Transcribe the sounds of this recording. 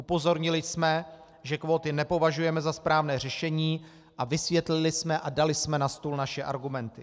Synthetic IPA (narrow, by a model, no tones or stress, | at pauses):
ʔupo̞zo̞ɾɲɪlɪsmɛ | ʒɛkvoːt̪ɪnɛpo̞vaʒujɛmɛzaspɾaːvnɛːrɛʃɛɲiː | ʔavɪsvjɛt̪lɪlɪsmɛʔadalɪsmɛnast̪uːlnaʃɛʔa̰ɾɡumɛnt̪ɪ